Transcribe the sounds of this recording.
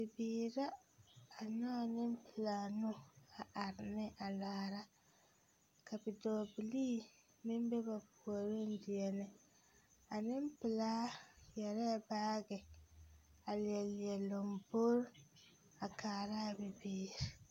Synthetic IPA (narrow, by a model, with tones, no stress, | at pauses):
bi˨biː˦ɾaː˦˨ | nɔ˦˨ni˦mpi˨laː˨nu˦a˨a˨ɾnɛ˦ʔa˨laː˨ɾa˦ | ka˨bi˨dɔː˨bi˨li˦ | mi˦mbɛ˦ba˨bu˨o˨ɾe˦ndi˨ɛ˨nɛ˦ | a˨ni˦mpi˨la˦jɛ˨ɾɛ˦baː˦ɡɛ˨ | a˨li˨ɛ˨li˨ɛ˨lo˨mbo˦ɾ | a˨kʰaː˨ɾa˦˨bi˨biː˨ɾi˦